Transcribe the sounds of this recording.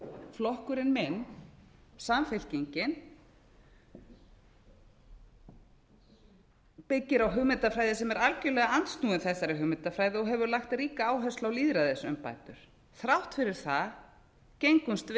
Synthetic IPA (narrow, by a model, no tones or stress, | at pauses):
flɔhkʏɾɪnmɪnː | samfɛl̥ciɲcɪn | pɪcːɪɾawɦʏmɪt̪afɾaːjðɪsɛmɛɾalcʏlɛɣaant̪st̪nuːɪnθɛsaɾɪɦʏmɪt̪afɾajðɪɔɦɛvʏɾlaxt̪riːkaaːwɦœst̪lawliːðɾaðɪsʏmpa̰ːjt̪ʏɾ̥ | θɾawht̪fɪɾɪɾ̥θa | cejŋkʏmst̪